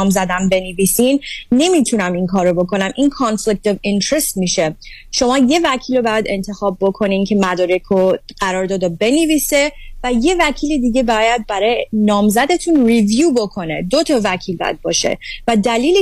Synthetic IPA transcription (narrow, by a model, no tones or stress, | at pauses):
mzæd̪æmbe̞nevisinne̞mit̪ʰunæminkʰɒːɾobo̞kʰo̞næmʔinkʰɒnflic̚t̪ʰovint̪ʰɾe̞st̪miːʃe̞ | ʃo̞mɒːje̞væcʰiːlobæjæd̪e̞nt̪ʰe̞xɒːbːo̞kʰo̞nincʰe̞mæd̪ɒːɾekʰoɢ̥æɾɒːɾd̪ɒːd̪obe̞nevise̞væje̞væcʰiːled̪iːɡe̞bɒjæd̪̚bæɾɒjenɒːmzæd̪e̞t̪ʰunrivjuːbo̞kʰo̞ne̞d̪ot̪ʰɒvæcʰiːlbɒ̰jæ̰d̪̚bɒ̰ːʃe̞̰væd̪æliːle